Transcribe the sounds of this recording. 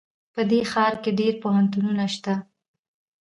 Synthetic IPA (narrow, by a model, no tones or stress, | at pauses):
pəd̪exɑɾkeɖeɾpoɦant̪ununaʃt̪a